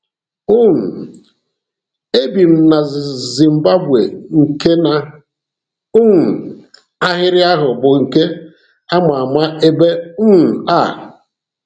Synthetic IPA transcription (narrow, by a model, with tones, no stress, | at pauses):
ʊ˦n̩˨ | e˦bi˨m̩˦˨na˨zi˨m̩˨ba˦bwe˨ŋ̩˨ke˦na˨ | ʊ˦n̩˨ | a˦ɦɪ˦ɾɪ˦a˦ɦʊ˨bʊ˨ŋ̩˨ke˦ | a˦ma˨a˨ma˦e˦be˦n̩˦n̩˨a˦˨